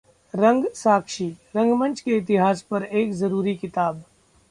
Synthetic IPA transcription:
ɾɐ̃ŋɡsaːkʃiɾɐ̃ŋɡmɐ̃nt͡ʃkeɪt̪ɪɦaːspɐɾeːkzɐɾuːɾikɪt̪aːb

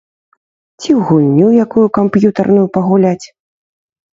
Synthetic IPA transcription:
t͡sʲiwɣulʲnʲujakujukampjut̪ɐrnʊjupɐɣulʲat͡sʲ

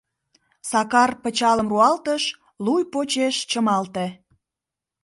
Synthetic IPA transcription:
sɑkɑrpət͡ɕɑləmruɑlt̪əʃ | lujpot͡ɕeʃt͡ɕəmɑlt̪e

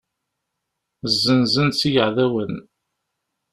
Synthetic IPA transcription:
zːənzənt͡sːijəʕðæwən

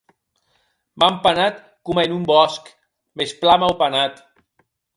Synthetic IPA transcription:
mampanat̪ | kumaenumbɔsk | mesplamawpanat̪

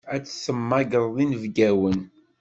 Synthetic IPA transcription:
æt͡sːsəmːæɡəɾˤðˤinəvɡæwən

